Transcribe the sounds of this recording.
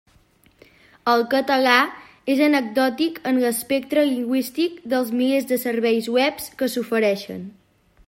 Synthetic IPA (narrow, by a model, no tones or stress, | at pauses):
əlˠkət̪əla | ezənəɡ̚d̪ɔt̪ikənləspek̚t̪ɾəliŋɡwist̪ikd̪əlˠzmilezðəsəɾβɛjzwɛpskəsufəɾɛʃə̰n